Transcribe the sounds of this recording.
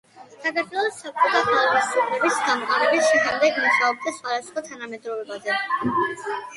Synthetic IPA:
saɡ̪at̪ʼɛlˠɔsːap̚kʼɔt̪akʰalˠalɛssɔpʰɾɛbisɡamɔqʼaɾɛbisʃiχamd̪ɛɡmɔʃaɔb̚d̪asχwad̪asχwat̪ʰanamɛd̪ɾɔɛbazɛ

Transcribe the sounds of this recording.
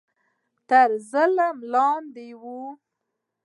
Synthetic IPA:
t̪əɾzələmlɑnd̪ewu

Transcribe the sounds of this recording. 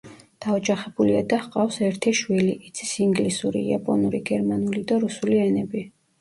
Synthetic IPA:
d̪̥aɔd͡ʒaχɛbuliad̪ahqʼafsɛɾt̪ʰiʃwiliʔːt̪sʰi̥siŋɡlisuɾḭia̰pʼɔnuɾiɡɛɾmanulid̪aɾusuliɛnɛbi

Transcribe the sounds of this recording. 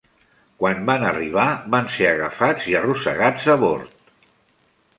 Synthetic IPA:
kwanbanəriβ̞aβanseəɣəfad͡ziərusə̰ɣad͡zəβo̰ɾt̪

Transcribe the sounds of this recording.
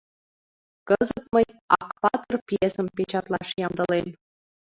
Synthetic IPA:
kɤzət̪məjɑkpɑt̪ɤ̆rpjesə̆mpet͡ɕɑt̪lˠɑʃjɑmd̪ɤ̆len

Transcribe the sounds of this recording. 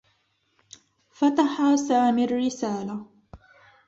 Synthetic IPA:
fat̪aħaːsaːmɪrːɪsaːla

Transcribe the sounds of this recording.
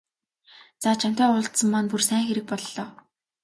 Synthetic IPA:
t͡saːt͡ɕʰam̥t̪aːʊɮt̪sə̆mːanpursæːŋxeɾɘ̆k̚pɔɮːɔː

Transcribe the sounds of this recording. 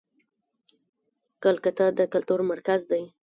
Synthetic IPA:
kəlkət̪ad̪əkalt̪uɾmaɾkazd̪aj

